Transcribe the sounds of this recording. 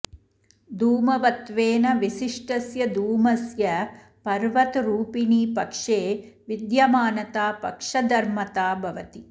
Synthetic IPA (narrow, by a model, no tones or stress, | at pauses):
d̪uːmɐʋɐt̪ʋeːnɐʋiʃiʂʈɐsjɐd̪ʱuːmɐsjɐ | pɐɾʋɐt̪ɾuːpiniːpɐkʂeː | ʋid̪jɐmaːnɐt̪aːpɐ̰kʂɐd̪ɐɾmɐt̪aːbʱɐʋɐt̪i